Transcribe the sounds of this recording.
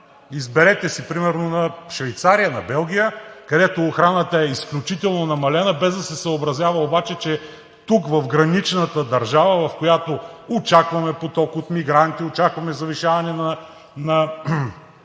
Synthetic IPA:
izbɛɾɛt̪ɛsipɾimɛɾnonɐʃvɛjt̪saɾijənɐbɛlˠɡ̟ʲijəkɐd̪ɛt̪oːxɾanət̪əɛisklʲut͡ʃit̪ɛlˠnonɐmɐlɛnəbɛzd̪ɐsɛsəobɾɐzʲjavɐobat͡ʃɛt͡ʃɛ | t̪ukvɐfɡɾɐnit͡ʃnət̪əd̪ɐɾʒavəvɐfkojat̪oot͡ʃakvɐmɛpot̪ɔkot̪miɡɾant̪iot͡ʃakvɐmɛzɐviʃavɐnɛnɐ | nɐ

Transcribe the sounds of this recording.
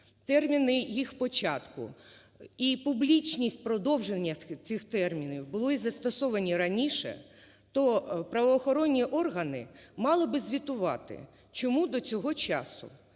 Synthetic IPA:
t̪ɛrmʲinɪjixpɔt͡ʃɑt̪kʊ̰ | ipublʲit͡ʃʲnʲisʲtʲpɾɔd̪ɔwʒenʲːɐt͡sʲixt̪ɛrmʲinʲiwbʊlˠɔizɐst̪ɔsɔʋɐnʲiɾɐnʲiʃɛ̰ | t̪ɔpɾɐʋɔːxɔɾɔnʲːiʔɔrɦɐnɪ̰mɑlˠɪbɪzʲʋʲit̪ʊʋɑ̰t̪ɪ̰ | t͡ʃɔmud̪ɔt͡sʲɔɦɔt͡ʃɑ̰sʊ̰

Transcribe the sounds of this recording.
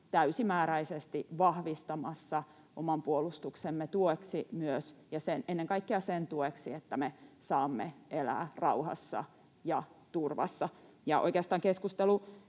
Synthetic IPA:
t̪æysimæːɾæisest̪iʋɑhʋist̪ɑmɑsːɑ | ʔomɑmpuolust̪uksemːet̪ueksimyøsjɑsenenːeŋkɑikːiɑsent̪ueksiet̪ːæmesɑːmːeʔelæ̰ːrɑuhɑ̰sːɑ̰ | jɑt̪urʋɑ̰sːɑ | jɑʔo̰ikeɑst̪ɑːŋkeskust̪elu

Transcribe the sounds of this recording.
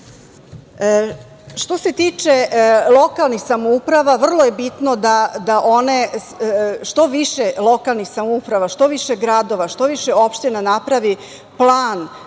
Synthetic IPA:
ʃt̪o̞set̪iːt͡ʃelˠo̞kalˠnixsamoupɾaʋaʋr̩lˠoje̞bit̪nod̪ad̪aʔone | ʃt̪o̞ʋiʃelˠo̞kalˠnixsamoupɾaʋaʃt̪o̞ʋiʃeɡɾad̪o̞ʋaʃt̪o̞ʋiʃeopʃt̪enanapɾaʋi | plˠaːn

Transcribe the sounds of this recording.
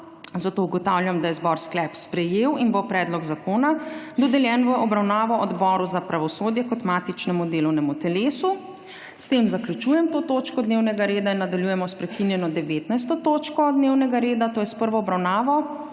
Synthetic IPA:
zat̪oːuɡɔt̪awljamd̪ajɛzbɔɾsklɛpspɾɛjeːwinbopɾɛːd̪lɔɡzakoːna | d̪ɔd̪ɛljɛnʋəʔɔbɾawnaːʋɔʔɔd̪bɔɾuzapɾaʋɔsoːd̪jɛkɔt̪maːt̪it͡ʃnɛmud̪eːlɔwnɛmut̪ɛleːsu | st̪emzakljut͡ʃuːjɛmt̪oːt̪oːt͡ʃkɔd̪neːwnɛɡaɾeːd̪ainːad̪aljujɛmɔspɾɛkinjɛnɔd̪ɛʋeːt̪najs̬t̪ɔt̪oːt͡ʃkɔd̪neːwnɛɡaɾeːd̪at̪oːjɛspəɾʋɔɔbɾawnaːʋɔ

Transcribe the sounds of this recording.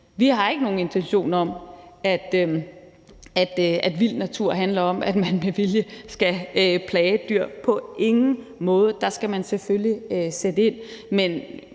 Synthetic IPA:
ʋiɦɑ̈e̝ɡ̥əno̝ːn̩e̝nt͡sʰenɕo̝̰ːnɐɒ̽mæd̥ø | æd̥æd̥ʋil̰d̥næt͡sʰuɐ̰ɦænlɐɒ̽mæd̥mænmeʋiljəsɡ̥æøpʰlɛːɪəd̥yɐ̰pʰɒ̽ʔe̝ŋn̩ | mɔ̽ːð̞̩ˠd̥ɑ̈sɡ̥æmænseføljiøsed̥əe̝n̰men

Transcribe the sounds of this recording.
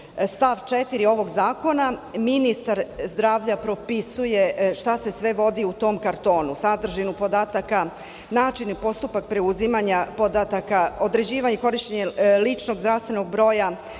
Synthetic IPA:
st̪aʋt͡ʃet̪iɾio̞ʋo̞ɡzaːko̞naminist̪aɾzd̪ɾaːʋʎapɾo̞pisuje̞ʃt̪ase̞sʋe̞ʋo̞d̪iut̪o̞ːmkaɾt̪o̞ːnusad̪r̩ʒinupo̞d̪aːt̪aka | naːt͡ʃinipo̞st̪upak̚pɾe̞uzimaɲapo̞d̪at̪akaod̪ɾe̞d͡ʑiːʋaɲeko̞ɾiʃt̪eɲelit͡ʃno̞ɡzɾaʋst̪ʋe̞no̞ɡ̚bɾo̞ːja

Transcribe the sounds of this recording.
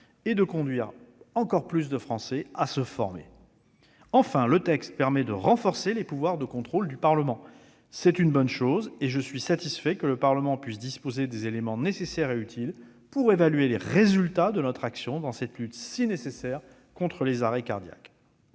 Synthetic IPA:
ed̪əkɔ̃d̪ɥiʁɑ̃kɔʁplys̬d̪əfχɑ̃sɛasəfɔʁmḛ | ɑ̃fɛ̃lət̪ɛkst̪̚pɛʁmɛd̪əʁɑ̃fɔʁselepuvwaʁd̪əkɔ̃t̪χold̪ypaʁləmɑ̃ | sɛt̪ynbɔnʃozeʒəsɥisat̪isfɛkələpaʁləmɑ̃pɥis̬d̪ispozed̪ezelemɑ̃nesesɛʁeyt̪ʰil | puʁevalɥeleʁezylt̪ad̪ənɔt̪χaksjɔ̃d̪ɑ̃sɛt̪lyt̪sinesesɛʁ | kɔ̃t̪χəlezaʁɛka̰ʁd̪ja̰k

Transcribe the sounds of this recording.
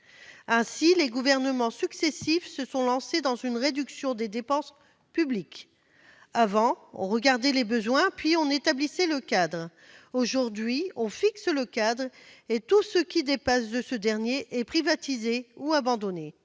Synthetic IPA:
ɛ̃sileɡuvɛʁnəmɑ̃syksɛsifsəsɔ̃lɑ̃sed̪ɑ̃zynʁed̪yksjɔ̃d̪ed̪epɑ̃s | pyblik | avɑ̃ɔ̰̃ʁəɡaʁd̪ɛlebəzwɛ̃pɥiɔ̃net̪ablisɛləkad̪ʁ | oʒuʁd̪ɥiɔ̃fiksələkad̪ʁet̪usəkʲid̪epãsd̪əsəd̪ɛʁnjeʔɛpχivat̪izeuabɑ̃d̪ɔne

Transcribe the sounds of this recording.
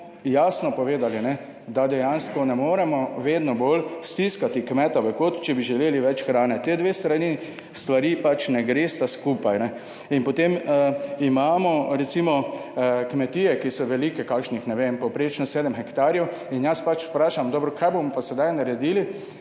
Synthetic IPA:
jaːsnɔpɔʋeːd̪alinɛ | d̪ad̪ɛjanskɔnɛmoːɾɛmɔʋeːd̪nɔbolst̪iskat̪ikmɛt̪aʋəkoːt̪t͡ʃɛbiʒɛleːliʋɛt͡ʃxɾaːnɛt̪eːd̪ʋeːst̪ɾani | st̪ʋaɾiːpat͡ʃnɛɡɾeːst̪askuːpajnɛ | inpɔt̪eməimaːmɔɾɛt̪simɔkmɛt̪iːjɛkisɔʋɛliːkɛkakʃnixnɛʋempɔwpɾeːt͡ʃnɔseːd̪əɛmxɛkt̪aːɾjɛw | injaspat͡ʃpɾaːʃamd̪ɔːbɾɔkʰajbomɔpasɛd̪ajnaɾɛd̪iːli

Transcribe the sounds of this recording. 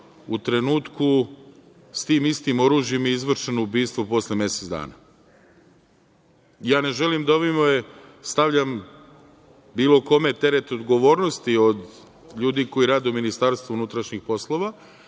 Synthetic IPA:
ut̪ɾe̞nuːt̪ku | st̪iːmist̪imo̞ɾuːʒjimeizʋr̩ʃenoubiːst̪ʋopo̞slemje̞set̪zd̪a̰ːna̰ | jaːne̞ʒe̞limd̪aoʋimojest̪aʋʎam | biːlo̞ko̞me̞t̪e̞ɾe̞t̪o̞d̪ɡo̞ʋo̞ːɾnost̪io̞d̪ | ʎuːd̪iko̞iɾaːd̪euminist̪aɾst̪vounut̪ɾaʃɲixpo̞slˠo̞ʋa

